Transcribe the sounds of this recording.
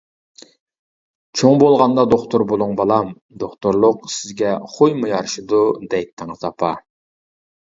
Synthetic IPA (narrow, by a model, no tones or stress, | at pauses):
t͡ʃʰoŋbolˠʁɑnd̪ɑd̪oχt̪ʰʊɾbolˠuŋbɑlˠɑm | d̪oχt̪uɾlˠʊqsɪzɡʲɛχojmujɑɾʃid̪ud̪ɛj̚t̪ʰːɪŋət̪ɑpʰɑ